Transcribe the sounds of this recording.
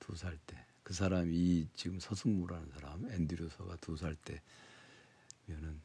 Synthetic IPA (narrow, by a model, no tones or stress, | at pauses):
tusʰaɭt͈e̞ | kɯs̬ʰaɾamit͡ɕiɡɯmsʰʌsʰɯŋmuɾɦanɯnsʰaɾamendɯɾjosʰʌɡatus̬ʰaɭt͈e̞ | mjʌnɯn